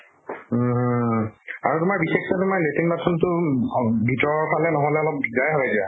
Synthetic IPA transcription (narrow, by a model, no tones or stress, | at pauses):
aɹutʊmaɹbixektatʊmaɹletiŋbatʰɔntʊ | bʱitɔɹɔɹpalɛnɔɦɔlɛɔlɔp̚bizajɦɔjadia